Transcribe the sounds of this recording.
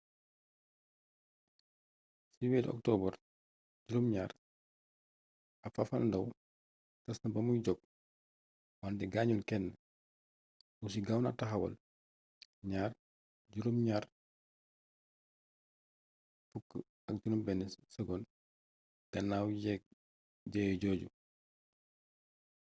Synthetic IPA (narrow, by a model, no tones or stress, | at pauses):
siwilɔ̰k̚tɔːbər | ɟuɾumɲaːɾ | ɐfɐfɐlndɐw | tɐsnɐbɐmujɟɔk̚ | wantɛɡaːɲulkɛnːə | wus̬iɡawnɐ̰tɐxɐwɐ̰l | ɲaːr | ɟuɾumɲaːɾ | fukːə | ɐk̚ɟunumbɛnɛssɐɡɔn | ɡ̥ɐnːaːwjɛ | ɟɛjɟɔːɟṵ